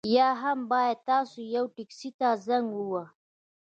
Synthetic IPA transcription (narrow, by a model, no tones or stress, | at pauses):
jɑɦambɑjad̪̚t̪ɑsojawʈiksit̪azaŋɡuwa